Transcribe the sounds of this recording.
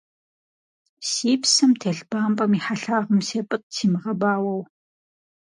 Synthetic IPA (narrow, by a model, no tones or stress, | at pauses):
siːpsɐmtʰeːɬb̥aːmpʼɐmiħaɬaːʁəmseːpʼɨt̚sʰiːmɨʁɐbaːwɐw